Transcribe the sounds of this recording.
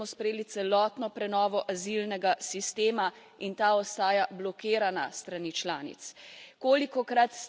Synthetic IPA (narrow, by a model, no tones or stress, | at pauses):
ɔspɾɛjeːlit̪sɛlɔːt̪nɔpɾɛnɔːʋɔʔazilnɛɡasist̪eːma | int̪aɔst̪aːjablɔkeːɾanast̪ɾaniːt͡ʃlaːnḭt̪skoːlikɔkɾat̪